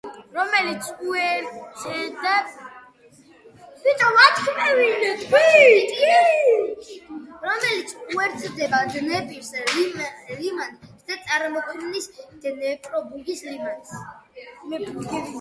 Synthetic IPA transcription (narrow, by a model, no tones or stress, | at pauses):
ɾɔmɛlit̪sʰuɛɾsʼɛd̪ɛp | it͡ʃʼɔwat̪ʰkʰmɛwinɛt̪ʼit̪ʼwi | ɾɔmɛlit̪sʰuɛɾt̪sʼd̪ɛbad̪nɛpʼiɾslimɛlimand̪at̪sʼaɾmɔkʰnnisd̪̥nɛpʼɾɔbuɡislimɛns | pʼ